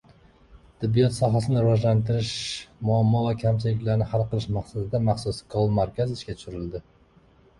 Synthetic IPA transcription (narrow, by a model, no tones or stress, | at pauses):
t̪ʰɪbːijɒt̪sɒɦasɪnɪɾɪvɒʒlant̪ɪɾɪʃmʊamːɒvakʲʰamt͡ʃʰɪlɪkʲlaɾnɪhalˠqɨlˠɪʃmaqsad̪ɪd̪amaχsʊskʰolˠmaɾkʲazɪʃkʲat̪ʰʊ̥ʃyɾɪld̪ɪ